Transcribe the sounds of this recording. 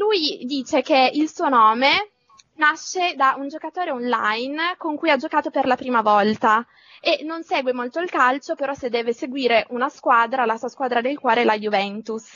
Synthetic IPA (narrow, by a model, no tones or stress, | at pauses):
lujd̪iːt͡ʃek̟eilsuːonɔːme | naʃːed̪aund͡ʒokat̪oːɾeonla̰jnkoŋkujad͡ʒokaːt̪operlapɾiːmavɔlt̪a | enːonseːɡwemolt̪oilkalt͡ʃopeɾɔsed̪ːɛːveseɡwiːɾeʔunaskwaːd̪ɾalasuːaskwaːd̪ɾad̪elkwɔːɾelajuvɛnt̪us